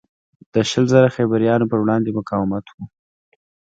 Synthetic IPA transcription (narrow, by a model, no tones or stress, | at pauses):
d̪̥əʃəlzaɾaxabaɾijɑnopəɾwɽɑnd̪emʊkɑwɪmat̪wu